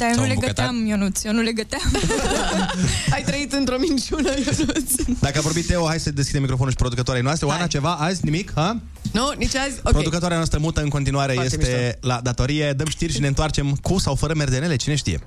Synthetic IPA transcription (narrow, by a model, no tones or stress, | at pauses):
d̪ajonuleɡət̪amjonut̪sjonuleɡət̪eam | ajt̪ɾəit̪ɨnt̪ɾo̞mint͡ʃunəjonut̪sd̪akəavo̞ɾbit̪t̪eoɦajsəd̪eskʲid̪emːikɾo̞fonulʃipɾod̪ukət̪oaɾejnoast̪ɾeoanat͡ʃe̞vaʔazʲnimikha | nonit͡ʃazʲopɾod̪ukət̪oaɾeanoast̪ɾəmut̪əɨnkont̪inuaɾe̞je̞st̪e̞lad̪at̪o̞ɾije̞d̪əmʃt̪irʲʃineɨnt̪art͡ʃe̞mkusawfəɾəme̞rd̪enele̞t͡ʃine̞ʃt̪ḭje̞̰